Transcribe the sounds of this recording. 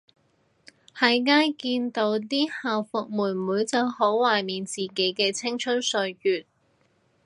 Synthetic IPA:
hɐ˨jŋaː˥jkiː˧nt̪o˧wt̪iː˥haː˨wfʊ˨k̚muː˨˩nmuː˨˥jt͡sɐ˨˧who˨˥wwaː˨˩jmiː˨nt͡siː˨ke˨˥jkɛː˧t͡sʰɪ˥ŋt͡ʃʰɵ˥nsɵ˧ɥjyː˨˩t̚

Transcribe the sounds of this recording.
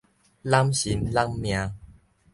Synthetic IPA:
la˦mɕi˨˦mla˦mːj̃ã˧

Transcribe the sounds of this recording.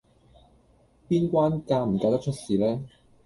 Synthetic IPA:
piː˥nkʷaː˥nkaː˧m̩˨˩kaː˧wt̪ɐ˥k̚t͡ʃʰt̚siː˨lɛː˦˥

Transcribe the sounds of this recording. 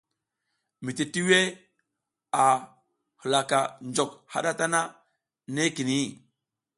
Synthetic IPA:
mi˨ti˨ti˦we˦ | a˨ | hə˨la˨ka˨nd͡ʒo˨kha̰˦ɗa˦ta˦na˦ | ne˦ki˨ni˦

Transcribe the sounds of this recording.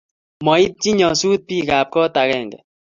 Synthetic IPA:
mɔ˨i˦t̪̚t͡ʃi˦ɲɔ˨suː˦t̪̚pi˦ɡaː˨p̚kɔ˦t̪a˨ɣɛ˦˨ŋɡɛ̰˨

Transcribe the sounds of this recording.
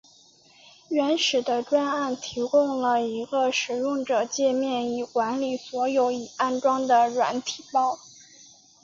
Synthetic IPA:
ɥɛ˧˥nʂɻ̩˨˩d̪ə˦ʈ͡ʂwa˥na˥˩nt̪ʰi˧˥kʊ˥˧ŋlə˩i˧˥ɡə˧ʂɻ̩˨˩jʊ˥˩ŋʈ͡ʂɤ˨˩t͡ɕjɛ˥˧mjɛ˥˩ni˨˩kwa˧˥nli˨˩swɔ˧˥jo˧˥ʊi˨˩a˥˩nʈ͡ʂwɑ˥ŋd̪ə˨ɻwa̰˧˥nt̪ʰi˨˩pɑ˥˩ʊ

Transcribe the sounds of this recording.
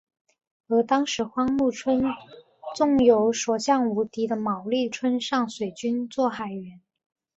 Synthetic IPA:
ə˞˧˥t̪ɑ˥ŋʂɻ̩˧˥xwɑ˥ŋmu˥˩ʈ͡ʂʰwə˥n | t͡sʊ˥˩ŋjo˧˥ʊʂwɔ˨˩ɕjɑ˥˩ŋu˧˥t̪i˧˥d̪ə˧mɑ˨˩ʊli˥˩ʈ͡ʂʰwə˥nʂɑ˥˩ŋswe˨˩ɪt͡ɕy˥nt͡swɔ˥˩xa˨˩ɪɥɛ˧˥n

